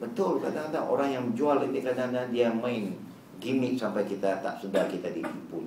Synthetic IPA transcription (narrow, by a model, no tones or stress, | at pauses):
bət̪ʊlkadakadaʔo̰ɾaŋjaŋəd͡ʒualinikadadadiamaɪn | ɡimɪʔsampajkit̪at̪a̰ʔsədakit̪adikipʊn